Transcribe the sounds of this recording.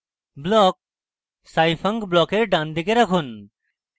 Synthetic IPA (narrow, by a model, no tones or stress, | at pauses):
blɔːk̚ | saːifɐ̃ŋɡblɔːkeɾɖãːnd̪ikeɾɐkʰun